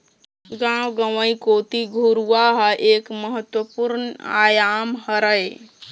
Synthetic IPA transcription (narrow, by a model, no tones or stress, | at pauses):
ɡãwɡəʋəikoːt̪iɡʱuɾuaɦəʔeːkməɦət̪wəpuɾna̰ːjaːmhəɾəj